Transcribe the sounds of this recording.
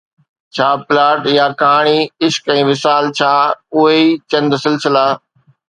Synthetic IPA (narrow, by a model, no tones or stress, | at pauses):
t͡ɕʰaːpɪlaːʈjaːkaːɽ̃iːɪʃkɛ̃ːʋɪsaːlt͡ɕʰaːʊɦeiːt͡ɕɐ̃nd̪sɪlsɪlaː